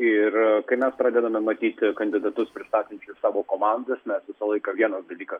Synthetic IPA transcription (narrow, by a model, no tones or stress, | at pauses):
ɪrkɐɪmʲɛspɾɑːd̪ʲɛd̪ɐmʲɛmɐt̪ʲiːt̪ʲkɐnʲd̪ʲɪd̪ɐt̪ʊspʲɾʲɪst̪ɑːt̪ʲɪnʲt͡ʃʲʊsɑːʋoːkoːmɑnd̪ɐsmʲɛsʋʲɪsɐlˠɐɪkɐʋʲiɛnɐsd̪ɐlʲiːkɐs